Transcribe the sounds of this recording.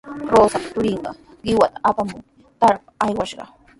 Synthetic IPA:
ɾoːsapḁtʊɾɪɴɢɑ̰ | ɢɪwat̪aʔapamʊŋ | t̪aɾpḁajwaʃɢɑ̰

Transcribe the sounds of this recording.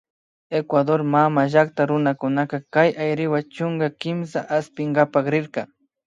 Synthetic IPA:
ekwad̪oɾmamaʒakt̪aɾʊnakʊnakakajʔajɾɪwat͡ʃʊŋɡakɪms̬a̰ʔaspɪŋɡapaχɾɪɾkɑ

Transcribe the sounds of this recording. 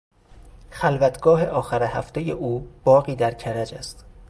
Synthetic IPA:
xælvæt̪ʰɡ̥ɒːɦe̞ʔɒːxæɾehæft̪eje̞ʔuːb̥ɒːɣiːd̪æɾcʰæɾæd͡ʒæst̪

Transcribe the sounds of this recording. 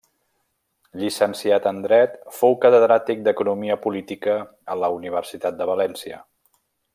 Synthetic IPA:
ʎisənsiat̪ənd̪ɾɛt̪fowkət̪əðɾat̪ik̚d̪əkunumiəpulit̪ikəː | ləuniβ̞əɾsit̪at̪̚d̪əβəlɛnsiə̰

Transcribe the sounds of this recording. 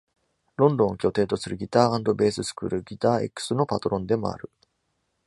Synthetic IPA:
ɾõ̞nd̪õ̞ɰ̃okʲo̞t̪e̞ːt̪o̞sɨɾɯ̟ɡʲit̪aːãnd̪o̞be̞ːsɨsɨ̥kɯ̟̰ːɾɯ̟ɡʲit̪aːḛkːɯ̥sɨno̞pat̪o̞ɾõ̞nd̪e̞moa̰ɾɯ̟

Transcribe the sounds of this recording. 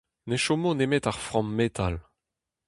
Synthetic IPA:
neʃomonemet̪aʁfʁɔ̃mːet̪ʰal

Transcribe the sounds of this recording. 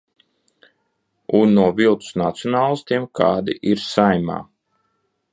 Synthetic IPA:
unːuɔvilˠt̪u̥snat̪sijɔnaːlˠst̪iɛmkʰaːd̪iʔiɾsajma̰ː

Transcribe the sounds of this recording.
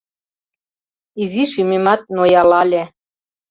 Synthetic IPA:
iziʃymemɑt̪̚nojɑlɑlʲe

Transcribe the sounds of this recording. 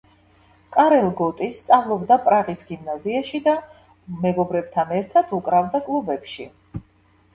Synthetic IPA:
kʼaɾɛlˠɡɔt̪ʼist̪sʼavlˠɔbd̪apʼɾaʁisɡimnaziaʃid̪a | mɛɡɔbɾɛb̥̚t̪ʰanɛɾt̪ʰat̪ʰukʼɾavd̪akʼlˠubɛpʃi

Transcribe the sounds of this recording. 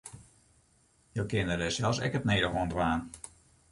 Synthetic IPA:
jowkɪəndədɛsɛlˠfsɛ̰kəpnejdəɦontʋaːn

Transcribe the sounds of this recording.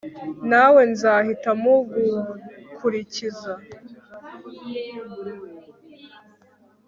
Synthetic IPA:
nawe̞nzaːhitamoɡukʰuɾiciza

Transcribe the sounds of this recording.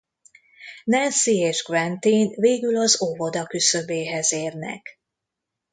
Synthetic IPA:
nɛnsieːʒɡvɛnt̪inveːɡylɒzovo̞d̪ɒkysøbeːɦɛzeːrnɛ̰k

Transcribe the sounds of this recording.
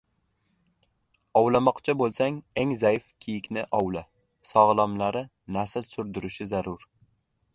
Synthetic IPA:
ɒwlamɒqt͡ʃʰabolˠsaŋeŋzajɪfkʲʰijɪkʲnɪʔɒwla | sɒʁlˠɒmlaɾɪ | nasɪlsʊɾd̪ʊɾɪʃɪzaɾʊɾ

